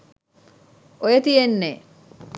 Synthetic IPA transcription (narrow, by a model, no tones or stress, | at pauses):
ojet̪ijenːe